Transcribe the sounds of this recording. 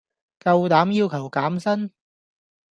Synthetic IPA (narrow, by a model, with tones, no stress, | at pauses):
kɐ˧wt̪aː˨˥mjiː˧wkʰɐ˨˩wkaː˨˥msɐ˥n